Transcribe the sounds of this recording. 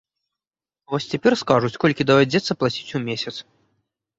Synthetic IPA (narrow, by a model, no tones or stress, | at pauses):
vɔsʲt͡sʲɛpʲɛrskaʐut͡sʲkɔlʲkʲid̪ɐvad͡zʲɛt̪sːɐplˠat͡sʲit͡sʲumʲesʲɐt̪s